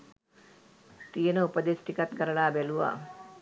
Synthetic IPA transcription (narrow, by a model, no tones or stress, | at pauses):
t̪ijənəupəd̪esʈikat̪kəɾəɭaːbæluʋa̰ː